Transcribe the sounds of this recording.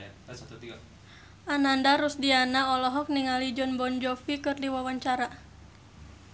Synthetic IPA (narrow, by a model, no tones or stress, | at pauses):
ʔanandaɾusdianaɔlɔɦɔk̚niŋalid͡ʒɔnbɔnd͡ʒɔfikɨrdiwawaɲt͡ʃaɾa